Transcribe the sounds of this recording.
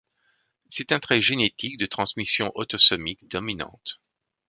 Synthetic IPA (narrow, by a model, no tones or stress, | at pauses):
sɛt̪ɛ̃t̪χɛʒenet̪ik̚d̪ət̪χɑ̃smisjɔ̃ʔɔt̪ɔsɔmikd̪ɔminɑ̰̃t̪